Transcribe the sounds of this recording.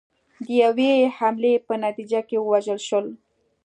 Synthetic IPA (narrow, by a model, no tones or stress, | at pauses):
d̪əjawehamlepənat̪id͡ʒakewəwaʒəlʃəl